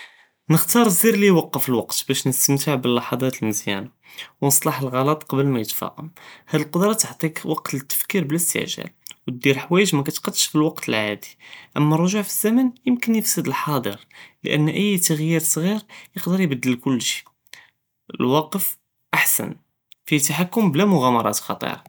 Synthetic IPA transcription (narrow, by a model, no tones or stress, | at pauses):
nəxt̪ɑɾˤziɾlijwɑqːəfəlwɑqt̪bæʃnəst̪əmt̪əʕbəlːɑħɑd̪ˤɑt̪əlməzjæ̰na | wnəsˤlɑħəlɣɑlɑt̪ˤqɑblmæjət̪fɑ̰qəmhæd̪əlqod̪ɾˤɑt̪əʕt̪ˤikwɑqt̪ət̪ːə̥fkiɾbələst̪ə̰ʕʒæ̰lwt̪̚d̪iɾħwæjəʒmækæt̪qɑd̪ːəʃfilwɑqt̪əlʕad̪i̥ʔəmːærˤːoʒuʕfizːæmənjəmkənjəfsəd̪əlħɑd̪ˤəɾlə̰ʔə̰nːʔəjːt̪əɣjiɾsˤɣiɾjəqd̪əɾjbəd̪ːəlkʊlːʃi̥ | əlwɑqəf | ʔaħsə̰n | fit̪aħakːʊmblæmʊɣæmɑɾˤɑ̰t̪xɑ̰t̪ˤḭɾˤɑ